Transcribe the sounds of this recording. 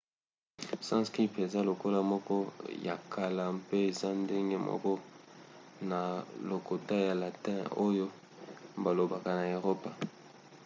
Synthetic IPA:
sã˦ski˦pe˨za˦lo˨ko˦la˦mɔ˦kɔ˦ja̰˨kʰa˨la˨mpe˦e˨za˦nde˦ŋɡe˦mɔ̰˦kɔ˦ | na˨lo˨ko˨ta˦ja˨la˨tɛ̰̃˦˨o˦jo˦ | ba˨lo˨ba˨ka˨na˨e˨ʁo˦pa˨

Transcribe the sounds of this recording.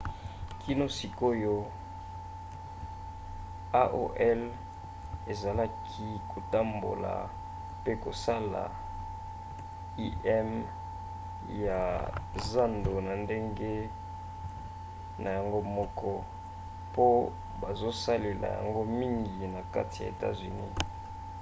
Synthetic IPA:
ki˦no˦si˨ko˦jo˦ | a˦ʔo̰˦ʔɛ˦l | e˨za˨la˦kʰi˦kʰo˨ta˦mbo̰˨la̰˨ | pe˦ko˨sa˦la̰˨ | i˦ʔɛ˦m | ja˨za˦ndo˨na˨nde˦ŋɡe˦ | na˨ja˨ŋɡo˦mɔ˦kʰɔ˦ | po˦ | ba˨zo˦sa˦le˨la̰˨ja̰˨ŋɡo˦mi˦ŋɡi˨na˨ka̰˦ti˨ja̰˨e˨ta̰˦zy˨ni˦

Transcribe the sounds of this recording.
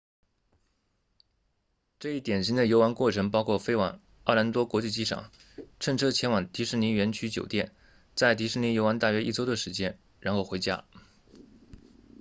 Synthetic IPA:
ʈ͡ʂɤ˥˧i˥˩t̪jɛ˨˩nɕi˧˥ŋd̪ə˨jo˧˥ʊa˧˥nkwɔ˥˩ʈ͡ʂʰɤ˧˥ŋpɑ˥ʊkʰwɔ˥˩fe˥ɪwɑ̰˨˩ŋ | ɑ˥˩la˧˥nt̪wɔ˥kwɔ˧˥t͡ɕi˥˧t͡ɕi˥˩ʂɑ̰˨˩˦ŋ | ʈ͡ʂʰə˥˧ŋʈ͡ʂʰɤ˥t͡ɕʰjɛ˧˥nwɑ˨˩ŋt̪i˧˥ʂɻ̩˥˩ni˧˥ŋɥɛ˧˥nt͡ɕʰy˥t͡ɕjo˨˩ʊt̪jɛ˥˩n | t͡sa˥˩ɪt̪i˧˥ʂɻ̩˥˩ni˧˥jo˧˥ʊwa˧˥nt̪a˥˩ɥɛ˥ʔi˥˩t͡so˥ʊd̪ə˨ʂɻ̩˧˥t͡ɕjɛ˥n | ɻa˧˥nxo˥˩xwe˧˥ɪt͡ɕja̰˥

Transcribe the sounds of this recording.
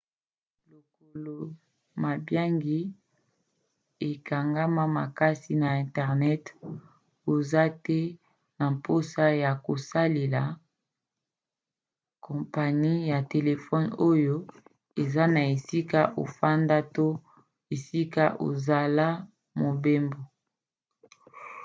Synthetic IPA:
lo˨ko˨lo˨ | ma˨bja˦ŋɡi˦ | e˨ka˨ŋɡa˦ma˦ma˨ka˦si˦na˨ɛ̃˨ntɛ˨ʁnɛ˦t | o˨za˦tɛ˦ | na˨mpo˦sa˦ja˨ko˨sa˦le˨la˨ | kɔ̃˨mpa˨ni˦ja˨te˨le˨fɔ˦no˦jo˦ | e˨za˦na˨e˨si˦ka˦ʔo̰˨fa˦nda˦to˦ | e˨si˦ka˦ʔo̰˨za˨la˦ | mo˨be˦mbo˨

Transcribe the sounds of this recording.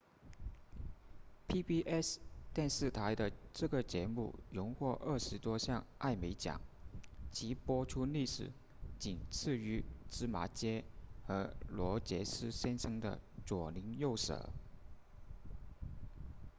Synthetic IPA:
pʰi˥pi˥ʔɛ˥st̪jɛ˥˧nʂɻ̩˥˩t̪ʰa˧˥ɪd̪ə˧ʈ͡ʂɤ˥˩ɡə˩t͡ɕjɛ˧˥mṵ˥˩jʊ˧˥ŋxwɔ˥˧ʔə˥˩ʂɻ̩˧˥t̪wɔ˥ɕjɑ˥˧ŋʔa̰˥˩ɪme˧˥ɪt͡ɕjɑ̰˨˩˦ŋt͡ɕʰi˧˥pwɔ˥ʈ͡ʂʰu˥li˥˩ʂɻ̩˨˩ | t͡ɕi˨˩nt͡sʰɹ̩˥˩y˧˥ʈ͡ʂɻ̩˥ma̰˧˥t͡ɕjɛ˥xɤ˧˥lwɔ˧˥t͡ɕjɛ˧˥sɹ̩˥ɕɛ˥nʂɤ˥ŋd̪ə̰˨t͡swɔ˨˩li˧˥ŋjo˥˩ʊʂɤ̰˨˩˦

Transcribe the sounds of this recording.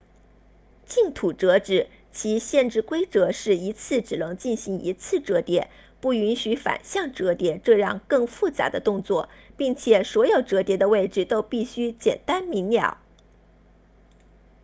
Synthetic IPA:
t͡ɕi˥˩ŋt̪ʰu˨˩ʈ͡ʂɤ˧˥ʈ͡ʂɻ̩˨˩ | t͡ɕʰi˧˥ɕjɛ˥˧nʈ͡ʂɻ̩˥˩kwe˥ɪʈ͡ʂɤ˧˥ʂɻ̩˥˩i˧˥t͡sʰɹ̩˥˩ʈ͡ʂɻ̩˨˩nɤ˧˥ŋt͡ɕi˥˩nɕi˧˥ŋḭ˧˥t͡sʰɹ̩˥˩ʈ͡ʂɤ˧˥t̪jɛ̰˧˥˦ | pu˥˩y˧˥nɕy˧˥fa̰˨˩nɕjɑ˥˩ŋʈ͡ʂɤ˧˥t̪jɛ˧˥ʈ͡ʂɤ˥˧ɻɑ˥˧ŋkɤ˥˧ŋfu˥˩t͡sa̰˧˥d̪ə˧t̪ʊ˥˧ŋt͡swɔ˥˩pi˥˩ŋt͡ɕʰjɛ˨˩swɔ˧˥jo˨˩ʊʈ͡ʂɤ˧˥t̪jɛ˧˥d̪ə˧we˥˩ɪʈ͡ʂɻ̩˥˩t̪o˥ʊpi˥˩ɕy˥t͡ɕjɛ̰˨˩nt̪a˥nmi˧˥ŋnjɑ̰˨˩˦ʊ

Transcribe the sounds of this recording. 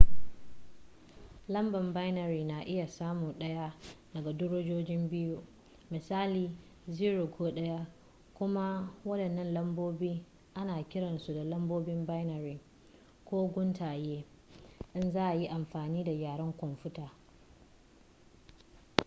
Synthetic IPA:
lɐ˦mbɐ˨mba˦jnɐ˨ɾiː˨na˨ʔɪ˦ja˨saː˦muː˨ɗɐ˦ja˦dɐ˨ɡa˨dʊ˦ɽoː˦d͡ʒoː˦d͡ʒɪ˦mbɪ˦ju˦ | mɪ˨saː˦liː˨ | ziː˦ɽo˨koː˦ɗɐ˦ja˦ | kʷʊ˦ma˦wɐ˦ɗɐ˨nːɐ˦nlɐ˦mboː˦biː˦ | ʔa˦naː˨kʲɪ˦ɽɐ˨nsu˨da˨lɐ˦mboː˦bɪ˦mba˦jnɐ˨ɾiː˨ | kʷoː˦ɡʷʊ˦ntaː˨jeː˦ | ʔɪ˦nzaː˦ʔa˨ji˦ʔa˨mɸaː˨niː˦da˨jaː˨ɽɐ˦ŋkʷʊ˨nɸʊ˦taː˨

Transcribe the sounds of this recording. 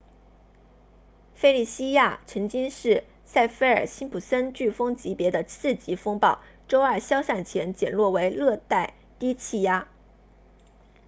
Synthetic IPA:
fe˥ɪli˥˩ɕi˥ja˥˩t͡sʰɤ˧˥ŋt͡ɕi˥ŋʂɻ̩˥˩ | sa˥˩ɪfe˥ɪə˞˨˩ɕi˥npʰu˨˩sə˥nt͡ɕy˥˩fɤ˥ŋt͡ɕi˧˥pjɛ˧˥d̪ə˧t͡sʰɹ̩˥˩t͡ɕi˧˥fɤ˥ŋpɑ˥˩ʊ | ʈ͡ʂo˥ʊə˞˥˩ɕjɑ˥ʊsa˥˩nt͡ɕʰjɛ˧˥nt͡ɕjɛ˨˩nlwɔ˥˩we˧˥ɪlɤ˥˧t̪a˥˩ɪ | t̪i˥t͡ɕʰi˥˩ja˥

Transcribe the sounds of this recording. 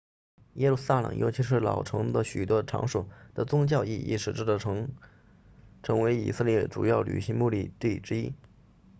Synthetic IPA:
jɛ˥lu˥˩sa˥˩lɤ̰˨˩ŋjo̰˧˥ʊt͡ɕʰi˧˥ʂ̬ɻ̩˥˩lɑ̰˨˩ʊʈ͡ʂʰɤ˧˥ŋd̪ə˧ɕy˨˩t̪wɔ˥ʈ͡ʂʰɑ̰˧˥ŋʂu˨˩d̪̥ə˨t͡sʊ˥ŋt͡ɕjɑ˥˧ʊi˥˧ḭ˥˩ʂɻ̩˨˩ʈ͡ʂ̩˥˧˩ | ʈ͡ʂʰɤ˧˥ŋwe˧˥ɪḭ˨˩sɤ˥˧ljɛ˥˩ʈ͡ʂṵ˨˩jɑ˥˩ʊly̰˨˩ɕi˧˥ŋmu˥˧li˥˧t̪i˥˩ʈ͡ʂɻ̩˥i˥

